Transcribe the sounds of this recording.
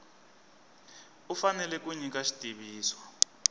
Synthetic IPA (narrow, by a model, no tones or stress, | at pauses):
ufanɛlɛk̬uɲik̬aʃi̥tʼiβiːswa